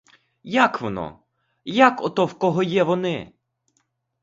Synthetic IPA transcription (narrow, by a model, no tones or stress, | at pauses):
jakʋɔnɔ̰ | jakɔt̪ɔwkɔɦɔjɛʋɔnɪ